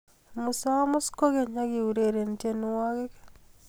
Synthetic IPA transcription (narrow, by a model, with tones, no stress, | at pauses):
mʊ˨sa˦mʊ˦sko˦ɡe˨ɲa˦ɡi˨u˨ɾe˨ɾe˨n˨te˦nu˦wa˦ɡɪ˦k